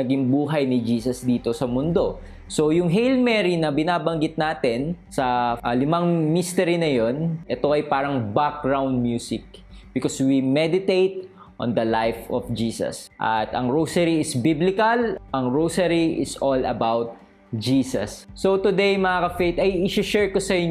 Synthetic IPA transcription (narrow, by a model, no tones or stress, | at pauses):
ɐɡɪŋbuːɦɐjnɪd͡ʒiːsɐsd̪iːt̪o̞sɐmʊnd̪o̞ | so̞wjʊŋɦejlmɛɹinɐbɪnaːbɐŋɡɪt̪̚naːt̪ɛnsɐʔɐlɪmɐŋmist̪ɛɾinɐjo̞nʔɛt̪o̞ʔɐjpaːɾɐŋbak̚ɡɹawnd̪̚mjuːsɪk̚ | b̥ɪkoswimɛd̪ɪt̪ejt̪̚ | ʔɔ̰̃nd̪ɐlajfɔfd͡ʒiːsɐ̰sʔɐ̰t̪ɐ̰ŋɹowsɐɾiɪsbiblɪkɐlʔɐŋɹowsɐɹiʔɪ̰sʔolɐ̰bawt̪̚ | d͡ʒiːsɐ̰sːot̪ʊd̪ejmɐŋaːkɐfejt̪ɐjɪʃɪʃɛɹkosɐɪ